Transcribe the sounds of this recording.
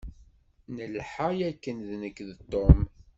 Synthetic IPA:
nəlħajækːənðnəkːðt̪ˤːom

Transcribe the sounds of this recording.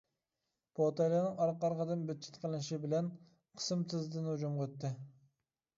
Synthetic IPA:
b̥ot̪ɑjlˠɑnɨŋɑɾqɑɾʁəd̪ɨnbyt͡ʃʰi̥t̪qʰəlˠɨnʃibɪlɛn | qʰə̥smt̪ʰɨzd̪ɨnud͡ʒumqøt̪ʰːɪ

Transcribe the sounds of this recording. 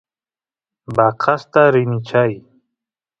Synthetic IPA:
baqʰast̪aɾinit͡ɕʰaj

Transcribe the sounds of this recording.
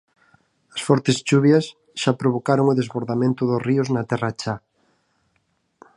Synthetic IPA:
ɐsfɔɾt̪est͡ʃuβjɐs | ʃapɾoβ̞okaɾoŋʊðezβoɾðamẽnt̪ʊðoriʊznat̪ɛrat͡ʃa

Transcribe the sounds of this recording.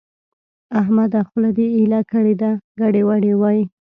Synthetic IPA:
aɦmad̪axulad̪eːlakəɽed̪aɡaɽewaɽewɑji

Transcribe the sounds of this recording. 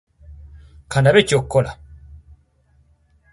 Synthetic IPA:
kʰandaβet͡ʃokːɔla̰

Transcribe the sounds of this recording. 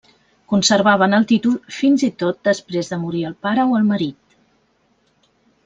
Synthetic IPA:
kunsəɾβ̞aβ̞ənəlˠt̪it̪ulˠfinzit̪ot̪̚d̪əspɾezðəmuɾiəlˠpaɾəoəlˠməɾit̪

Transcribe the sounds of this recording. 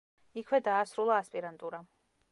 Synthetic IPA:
ikʰwɛd̪aːsɾulˠaːspʼiɾant̪ʼuɾa

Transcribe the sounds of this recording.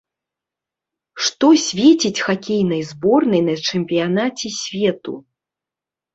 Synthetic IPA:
ʂt̪ɔsʲvʲet͡sʲit͡sʲxakʲejn̪ɐjzbɔrnɐjnɐt͡ʂɛmʲpʲijanat͡sʲɛsʲvʲɛt̪ṵ

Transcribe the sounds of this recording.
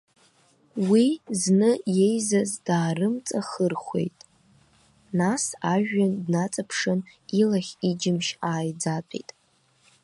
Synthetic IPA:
wiznɨje̞jzazdaːrɨmt͡sʼaχərχʷe̞̰jtʼ | nasaʒᶣːandnat͡sʼapʰʂɨnilaχʲid͡ʒɪmʃaːjd͡zat͡sʼḛjtʼ

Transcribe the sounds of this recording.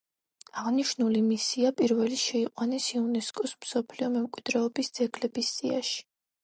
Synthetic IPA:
aʁniʃnulimisiapʼiɾvɛliʃɛiqʼwanɛsiunɛskʼɔsmsɔpʰliɔmɛmkʼwid̪̥ɾɛɔbisd̪z̥ɛɡlɛbisz̥ʼia̰ʃi̥

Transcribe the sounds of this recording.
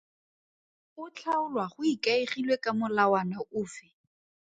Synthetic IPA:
ʊt͡ɬʰaʊlwaχʊikaiχilwekamʊlawanaʔʊːfɪ

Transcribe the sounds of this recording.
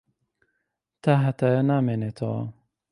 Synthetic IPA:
t̪ʰaːɦɐt̪aːjanaːmeːneːt̪ʰɐwa̰

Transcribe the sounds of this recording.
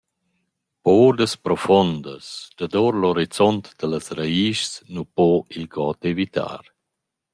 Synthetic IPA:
poːd̪əspɾɔfɔnd̪əsd̪̥ad̪ɔɾlɔɾit͡sɔnt̪d̪̥ələsɾaiːʃsnupɔilɡɔt̪evit̪a̰ːɾ

